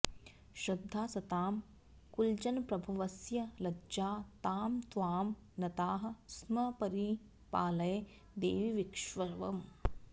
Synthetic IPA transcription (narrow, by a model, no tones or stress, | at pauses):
ʃɾɐd̪ʱːaːsɐt̪aːm | kuld͡ʒɐnpɾɐbʱuʋɐsjɐlɐd͡ʒaːt̪aːmt̪ʋaːm | nɐt̪aːɦɐ̆smɐpɐɾi | paːlɐjɐ | d̪eːʋiʋikʂʋɐʋɐm